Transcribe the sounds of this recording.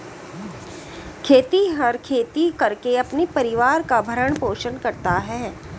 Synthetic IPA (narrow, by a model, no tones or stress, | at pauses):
kʰeːt̪iɦɐɾkʰeːt̪ikɐɾkeɐpnipɐɾɪʋaːɾkabʱɐɾəɽ̃poːʃənkɐɾt̪aɦɛː